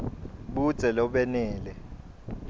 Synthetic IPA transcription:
ɓu̥t͡sʼɛlɔɓɛnɛːlɛ

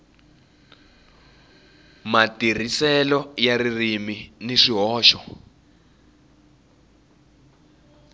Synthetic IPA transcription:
matir̤isɛlɔjaririminiʂiɦɔːʃɔ

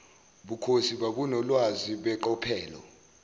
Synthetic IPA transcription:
ɓukʰosiɓaɓunɔlwaziɓɛǃɔpʰɛːlɔ̰

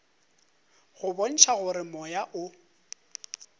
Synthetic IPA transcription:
ɣʊbɔn̩ʃaɣʊɾɪmɔjaʔʊ

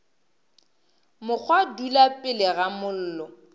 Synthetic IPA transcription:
mʊk͡xʰwadulapʼɪlɪɣamʊl̩ːlɔ

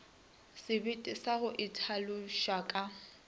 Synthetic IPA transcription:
sɪbɪtʼɪsaɣʊʔɪtʰalʊʃakʼa

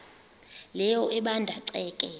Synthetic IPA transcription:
lɛjɔʔɛɓandʱaǀɛːkʼɛ

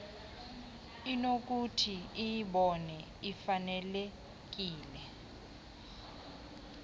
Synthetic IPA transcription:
inok̬ʼutʰiijiɓɔnɛ | ifanɛle | k̬ʼiːlɛ

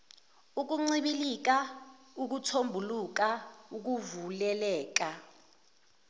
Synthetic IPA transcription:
uk̬uŋ͡ǀiɓilik̬a | uk̬utʰombʱuluk̬auk̬uvulɛlɛːk̬a

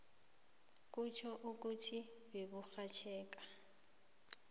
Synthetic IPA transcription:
kʼut͡ʃʰɔʔuk̬ʼutʰibebuxat͡ʃʰɛːk̬ʼa

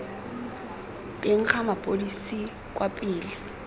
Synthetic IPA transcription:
tʼeŋ̩χamapʼodisi | kʼwapʼɪːlɪ

